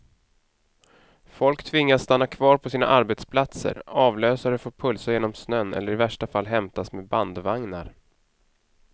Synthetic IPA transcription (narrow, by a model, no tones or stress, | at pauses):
fɔlkt̪ʰvɪŋːasːt̪anːakʰvɑːɾpʰɔsiːna̰ʔaɾbɛt̪spʰlat̪sə̰ɾɑːvløːsaɾəfoːɾpʰɵlsajeːnɔmsnœnːɛ̰lːəɾɪvæʂʈafalːɦɛmt̪asmeːd̪band̪vaŋna̰ɾ